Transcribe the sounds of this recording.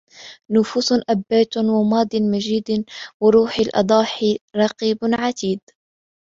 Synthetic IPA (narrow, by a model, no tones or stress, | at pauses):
nʊfuːsʔabːaːt̪wamɑːd̪ˤɪnmad͡ʒiːd̪wɪɾuːħalʔɑ̰d̪ˤɑːħɪɾˤɑqiːbʕat̪iːd̪